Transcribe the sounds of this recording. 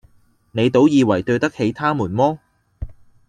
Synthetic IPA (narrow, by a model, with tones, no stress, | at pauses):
ne˨˧jt̪o˨˥wjiː˨˧wɐ˨˩jt̪ɵ˧ɥt̪ɐ˥k̚he˨˧jt̪ʰaː˥muː˨˩nmɔː˥